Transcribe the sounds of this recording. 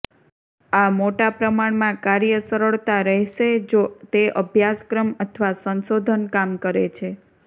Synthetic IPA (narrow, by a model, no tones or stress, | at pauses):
amoʈapɾəmaɽmãkaɾjəsəɾəɭt̪aɾəɦʃed͡ʒot̪eʔəbʱjaskɾəmət̪ʰəʋasənsod̪ʱənkamkəɾet͡ʃʰe